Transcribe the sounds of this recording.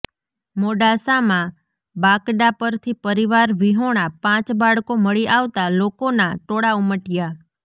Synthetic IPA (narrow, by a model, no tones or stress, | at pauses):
moɖasamã | bakɖapəɾt̪ʰipəɾiʋaɾʋiɦoɽ̃apãt͡ʃbaɭkoməɭiʔaʋt̪alokonaʈoɽauməʈja